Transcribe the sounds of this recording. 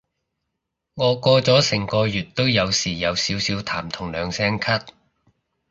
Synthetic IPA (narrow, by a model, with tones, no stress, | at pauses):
ŋɔː˨˧kɔː˧t͡sɔː˨˥sɪ˨˩ŋkɔː˧jyː˨t̚t̪ːo˥wjɐ˨˧wsiː˨˩jɐ˨˧wsiː˨˥wsiː˨˥wt̪ʰaː˨˩mt̪ʰʊ˨˩ŋlœː˨˧ŋsɛː˥ŋkʰɐ˥t̚